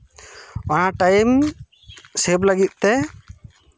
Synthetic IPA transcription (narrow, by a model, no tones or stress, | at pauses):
ɔnaʈajm | sɛbləɡit̪̚t̪ɛ